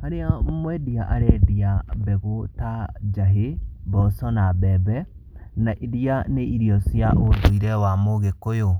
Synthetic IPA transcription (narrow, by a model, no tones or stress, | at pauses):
haɾeamwɛdiaʔa̰ɾɛdiabɛɣotad͡ʒaɦebɔsɔnabɛβɛ | naʔiðianeiɾiɔsjaʔoðoiɾɛwamoɣekojo